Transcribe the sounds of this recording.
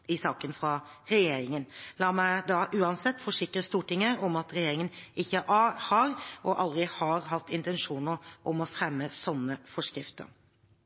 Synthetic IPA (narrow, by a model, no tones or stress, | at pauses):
ɪsɑːkənfɾɑ | ɾɛjeːɾɪŋənlɑːmæɪd̪ɑʔʉːɑnsɛt̪ːfɔʂɪkɾəst̪uːʈɪŋːəɔmɑt̪ɾɛjeːɾɪŋənɪçːəʔɑhɑɾʔɔʔɑld̪ɾɪhɑɾɦɑt̪ːɪnt̪ɛnʂuːnəɾʔɔmɔfɾɛmːəsɔnːəfɔʂkɾɪft̪ə̰ɾ